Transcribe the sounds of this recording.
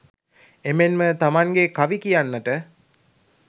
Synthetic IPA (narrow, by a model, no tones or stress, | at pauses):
emenmət̪amaŋɡekaʋikijanːəʈə